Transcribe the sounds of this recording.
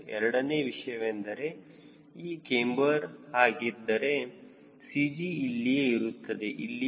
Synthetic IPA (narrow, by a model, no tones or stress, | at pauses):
ɛɾɐɽɐne̞ːʋiʂɐjɐʋend̪ɐɾe̞ | iːkeːmbɐɾɦaːɡid̪ːɐɾe̞ | sid͡ʒiːlːijeiɾut̪ːɐd̪e̞ʔilːi